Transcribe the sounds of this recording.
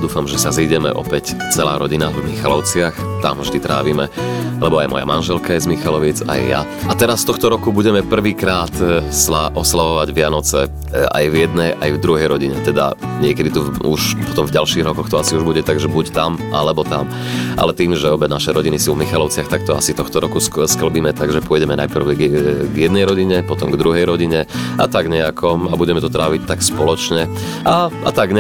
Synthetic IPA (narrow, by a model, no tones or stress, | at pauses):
d̪uːfamʒɛsaziɟɛmɛ̰ʔɔ̰pɛct͡sɛlaːɾɔɟinavmixalɔʊt͡sɪaxt̪a̰mvʒd̪it̪ɾʔa̰ːʋimɛlɛbɔajmɔ̰ja̰manʒɛlkajɛzmixalɔʋit͡sa̰jːa̰ | at̪ɛɾasft̪ɔxt̪ɔɾɔkubuɟɛmɛpr̩ʋiːkɾaːt̪slaʔɔslaʋɔʋaɟʋɪanɔt͡sɛ | ʔa̰jvjɛd̪nɛjajvd̪ɾuɦɛjɾɔɟiɲɛt̪ɛd̪a̰ɲɪɛkɛd̪it̪uṵʃpɔ̥t̪ɔmvɟalʃiːɣɾɔkɔxt̪ɔasiuʒbuɟɛt̪aɡʒɛbuct̪amʔa̰lɛbɔt̪a̰m | ʔa̰lɛt̪iːmʒɛɔbɛnaʃɛjɾɔɟinisuːvmixalɔʊt͡sɪaxt̪akt̪ɔasit̪ɔxt̪ɔɾɔkusskl̩biːmɛt̪aɡʒɛpʊɔjɟɛmɛna̰jpr̩ʊɡjɛd̪nɛjɾɔɟiɲɛpɔt̪ɔmɡd̪ɾuɦɛjɾɔɟiɲɛat̪aɡɲɛakʰɔabuɟɛmɛt̪ɔt̪ɾaːʋic̚t̪akspɔlɔt͡ʃɲɛ | aa̰t̪aɡɲɛ